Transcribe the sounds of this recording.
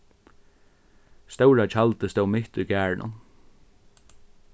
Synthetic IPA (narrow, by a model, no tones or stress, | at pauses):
st̪ɛwɹat͡ʃʰalt̪əst̪ɛwmɪht̪ʊjɡæːɹɳʔʊ̰n